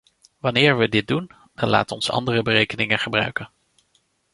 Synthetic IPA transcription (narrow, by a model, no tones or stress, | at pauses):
ʋɑnɪːɹʋədɪt̚dun | dɑnla̰ːtəɔnsɑ̰ndərəbərejkənɪŋənχəbrœ̰ɥkən